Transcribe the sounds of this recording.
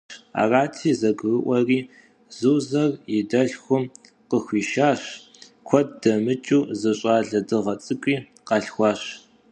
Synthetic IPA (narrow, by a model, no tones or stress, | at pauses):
a̰ːraːtʰiːzɐɡɨrɨʔʷɐriː | zuːzɐrjɪdɐɬxʷʊm | qəxʷiːʃaːɕ | kʷʰɔd̚dɐmɨt͡ʃʼuːzɐɕʼaːɮɐdɨʁɐt͡sʼɨkʷʼiː | qɑɬxʷɑːɕ